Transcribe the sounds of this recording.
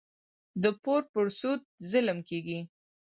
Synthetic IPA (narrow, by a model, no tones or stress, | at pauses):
d̪əpoɾpəɾsut̪̚zɪləmkeɡi